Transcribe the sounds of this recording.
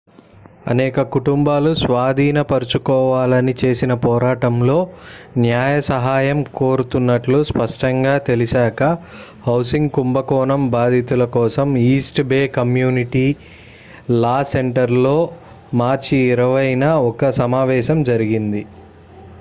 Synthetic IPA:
ɐ̰nɛːkɐkuʈumbaːlusʋaːd̪ʱiːnɐpɐɾut͡ʃukɔːʋaːlɐnit͡ʃe̞ːsinɐpɔːɾaːʈɐmlo̞ːnjaːjɐsɐɦaːjɐmko̞ːɾut̪unːɐʈluspɐʂʈɐŋɡaːt̪eliʃaːkɐhɐwsiŋɡkumbɐkɔːnɐmbaːd̪ʱit̪ulɐkɔːsɐmiːsʈbeːkɐmjuːniʈiː | laːse̞ɳʈɐɾlo̞ː | maːɾt͡ʃiːɾɐʋɐjnɐɔkɐsɐmaːʋɛːʃɐmd͡ʒɐɾiɡind̪i

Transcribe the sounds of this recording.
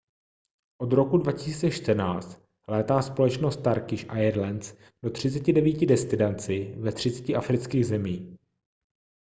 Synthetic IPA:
ʔo̞d̪ɾo̞kudvacɪsiːt͡sɛʃt̪ənaːt͡st̪ | lɛːt̪aːspo̞lɛt͡ʃnost̪ːaɾkɪʃʔajɛɾlɛns | d̥o̞t̪r̝̥ɪt͡sɛcɪdɛviːcɪdɛst̪ɪdant͡sɪvɛt̪r̥ɪt͡sɛ̥cɪʔafɾɪt͡skiːɣzɛmiːx

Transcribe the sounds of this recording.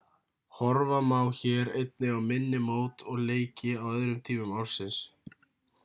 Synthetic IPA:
hɔɾvamaːwçɛːɾejt̪̚nɪawmɪnːɪmoːwt̪ɔɣleːjcɪawœðɾʏmt̪ʰiːmʏmawɾ̥sɪns

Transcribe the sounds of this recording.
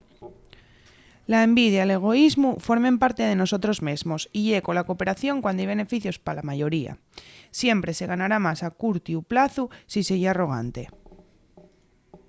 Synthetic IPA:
laembið̞jale̞ɣ̞o̞izmufo̞ɾmẽ̞mpaɾt̪eð̞e̞no̞so̞t̪ɾo̞zmezmo̞siʝe̞ko̞lako̞peɾaθjo̞ŋkwand̪jβe̞ne̞fiθjo̞spalamaʝo̞ɾia̰ | sje̞mpɾe̞se̞ɣ̞anaɾamasakuɾt̪juplaθusise̞ɾiaro̞ɣ̞a̰nt̪e̞

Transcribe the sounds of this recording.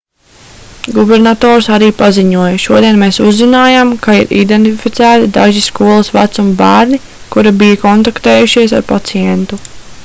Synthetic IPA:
ɡubɛɾnat̪ɔːɾsaɾiːpaziɲuɔjɐʃuɔd̪iɛnmeːsuzːinaːjamkaḭɾḭd̪ent̪ifit̪sæːt̪id̪aʒiskuɔlˠɐsʋat̪sumbæːɾni | kuɾabijɐkɔnt̪akt̪eɛːjuʃiɛsa̰ɾpat̪sijɛnt̪u

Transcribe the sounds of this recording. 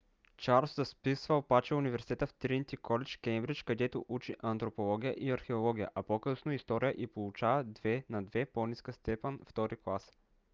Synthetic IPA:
t͡ʃaɾszɐspisvəopat͡ʃɛʊnivɛɾsi̥t̪ɛt̪əft̪ɾint̪ʲikɔlɛt͡ʃkɛmbɾit͡ʃkɐd̪ɛt̪oʔut͡ʃiʔɐnt̪ɾopolˠɔɡʲijə̰ʔiɐɾxɛolˠɔɡʲijə̰ʔɐpokəsnoist̪ɔɾijəʔipolˠut͡ʃavɐd̪vɛnɐd̪vɛponʲiskəst̪ɛpɛnft̪ɔɾiklˠas

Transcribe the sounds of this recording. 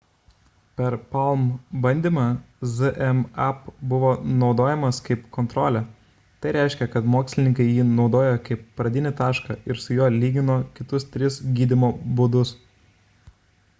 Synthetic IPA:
pʲɛɾpɐlˠmbɐnʲd̪ʲiːmɑ | zɨʔɛmɐpbʊʋoːnɒʊd̪oːjɛmɐskɐɪpkɔnt̪ɾoːlʲɛ | t̪ɐɪɾʲæˑɪʃʲkʲɛkɐt̪moːksʲlʲɪnʲɪŋkɐɪjiːnɒʊd̪oːjokɐɪpːɾɐd̪ʲɪnʲɪt̪ɑːʃkɑʔɪɾsʊjoːlʲiːɡʲɪnoːkʲɪt̪ʊst̪ʲɾʲɪsɡʲiːd̪ʲɪmoːbʊd̪ʊs

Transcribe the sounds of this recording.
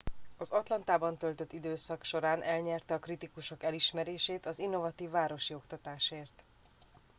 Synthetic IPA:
ɒzɒt̪lɒnt̪aːbɒnt̪ø̞lt̪øt̪ːid̪øːsɒkʃo̞ɾaːnʔɛlɲɛrt̪ɛɒkrit̪ikuʃo̞kɛliʃmɛɾeːʃeːt̪ɒzinːo̞vɒt̪iːvːaːɾo̞ʃio̞kt̪ɒt̪aːʃeːrt̪

